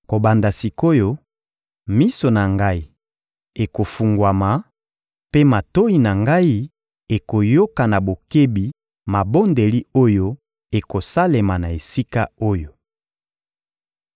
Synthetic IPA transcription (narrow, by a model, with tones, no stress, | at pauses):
ko˨ba˨nda˨si˨ko˦jo˦ | mi˦so˨na˨ŋɡa˦i˨ | e˨ko˨fu˨ŋɡwa˨ma˨ | pe˦ma˨to˦i˨na˨ŋɡa˦i˦ | e˨ko˨jo˦ka˨na˨bo˨ke˦bi˨ | ma˨bo˦nde˨li˦o˦jo˦ | e˨ko˨sa˦le˨ma˨na˨e˨si˦ka˦o˦jo˨